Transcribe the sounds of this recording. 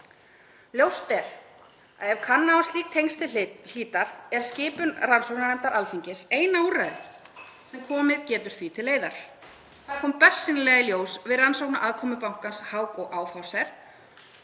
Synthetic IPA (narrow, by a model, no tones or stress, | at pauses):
ljowst̪ɛɾ̥ | a̰ðɛvkʰanːawast̪liːk̚t̪ʰejŋnst̪ɪl̥iːt̪aɾ̥ɛɾ̥scɪːpʏnransowknanɛm̥t̪aɾʔalfiɲcɪseːjnaːwɾɛ | sɛmkʰɔːmɪðcɛːt̪ʏɾ̥θvit̪ʰɪlːeːjðaɾ̥ | θaðkʰɔːmpœr̥sɪnɪlɛːɣɪljoːwsvɪðransowknaʔaðkʰɔːmʏpawŋ̥kanshaːwkɔʔaːwfawsɛɾ̥